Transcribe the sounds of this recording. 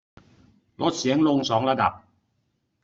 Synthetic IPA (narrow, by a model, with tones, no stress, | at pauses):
lɔ˦˥sɛ˨˦˥ŋlo˧ŋsɔː˨˥ŋlaː˥d̪a̰ː˨˩p̚